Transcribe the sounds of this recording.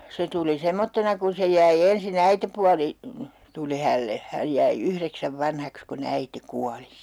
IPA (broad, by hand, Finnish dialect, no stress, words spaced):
se tuli semːotːenɑ kun se jæi ensin æitepuɑli tuli hælːe hæj jæi ykreksæʋ ʋɑnhɑks kun æite kuɑli